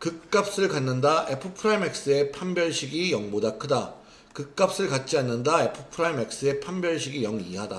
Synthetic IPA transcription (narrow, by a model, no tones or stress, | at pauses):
kɯk̚k͈ap̚s͈ɯɭkanːɯndaʔepʰɯpʰɯɾajme̞k̚s͈ɯe̞pʰambjʌɭɕʰiɡijʌŋbodakʰɯda | kɯk̚k͈ap̚s͈ɯɭkat̚t͡ɕ͈ianːɯndae̞pʰɯpʰɯɾaime̞k̚s͈ɯe̞pʰambjʌɭɕʰiɡijʌŋiɦada